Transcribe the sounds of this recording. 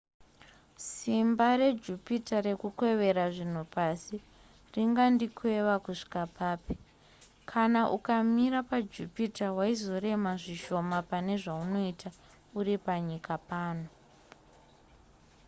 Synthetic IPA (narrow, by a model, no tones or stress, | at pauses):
simbaɾe̞d͡ʒupitaɾe̞kukwe̞ʋe̞ɾaʐin̤upasi | riŋɡandikʰwe̞ʋakuʂi̥kapʰaːpi̥ | kʰanaʔukamiɾapad͡ʒupitawaizo̞ɾe̞maʐiʃo̞mapane̞ʐauno̞itʰa | uɾipaɲikapaːno